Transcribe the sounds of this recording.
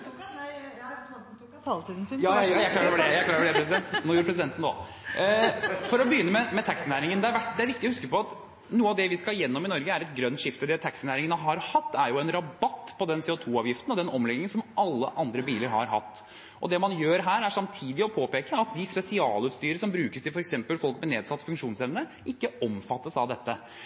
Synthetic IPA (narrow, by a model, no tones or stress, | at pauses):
t̪id̪n̩jɑjæɪklɑːɾɔɖɛjæɪkʰlɑːɾəfɔɖɛpɾɛsɪd̪ɛnt̪nɔjɾpʰɾɛsɪd̪ɛnt̪n̩d̪ɔ̰ | fɔɾɔbəjʏnːəmɛmɛt̪ʰæksɪnæːɾɪŋənd̪ɛæɾʋæʈd̪ɛæɾʋɪk̚t̪ɪɔhʉskəpɔɑt̪ | nuːəɑʋd̪ɛʋɪskɑjɛnːɔmɪnɔɾɡəæɾɛt̪ɡɾœnt̪ʂɪft̪əd̪ɛt̪ʰæksnæːɾɪŋənəɦɑɾhɑt̪ːæɾjʊɛnɾɑbɑt̪ːpʰɔd̪ɛnsɛːʊt̪ʰuːɑːʋjɪft̪ənɔd̪ɛnɔmlɛɡnɪŋənsɔmʔɑlːə̰ʔɑnd̪ɾəbiːləɾhɑ̰ɾɦɑ̰t̪ː | ʔɔ̰d̪ɛmɑnjøːɾɦæːɾæʂɑmt̪ʰiːd̪ɪɔpʰoːpeːkəɑt̪̚d̪ɪspɛsɪɑːlʉːt̪st̪yːɾəsɔmbɾʉːkəst̪ʰɪfɔɾɛksɛmpəlfɔlk̚mɛneːd̪sɑt̪ːfʉŋkʂuːnsɛʋnə | ɪkːəɔmfɑt̪ːəsɑʋd̪ɛt̪ːə